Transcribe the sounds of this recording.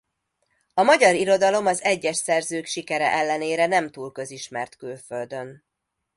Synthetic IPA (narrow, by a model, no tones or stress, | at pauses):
ɒmɒɟɒɾiɾo̞d̪ɒlo̞mɒzɛɟːɛʃsɛrzøːkʃikɛɾɛ̰ʔɛlːɛneːɾɛnɛmt̪uːlkø̞ziʃmɛrt̪kylfø̞ld̪ø̞n